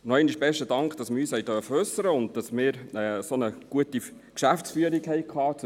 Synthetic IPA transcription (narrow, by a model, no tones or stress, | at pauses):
nɔɛɪniʃb̥ɛʃtədɑŋkχd̥ɑsmɪɾyːshɛɪtœːfəœsːəɾəʊnd̚dɑsmɪːɾɛːsonəɡ̥uəti | kʃæfsfyəɾikhɛjkʰɑːt͡s